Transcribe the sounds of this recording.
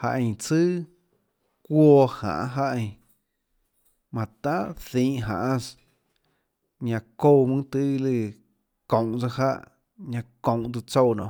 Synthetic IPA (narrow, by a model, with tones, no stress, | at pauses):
ha˧ʔẽ˧j̃t͡sɨː˦ | kʷɔ˧hã̰˨ʔɦa˦ʔẽ˧j | mã˨t̪ã˦θĩː˧˦ʔɦã̰˨ʔã˦s | ɲã˧ko˧wmɨ̃˦t̪ɨ˦˧lɨ˧ | kõ˨w̃t͡sa˧ɦa̰˦ʔ | ɲã˧kõ˨w̃ʔt̪̬ɨ˧t͡so˦˧wnɔ̃˧˨